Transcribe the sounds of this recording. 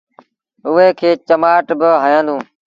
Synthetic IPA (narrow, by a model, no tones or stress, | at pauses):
ʊɦeːkʰeːt͡ʃəmaːʈbɪɦaːjãːnd̪ũː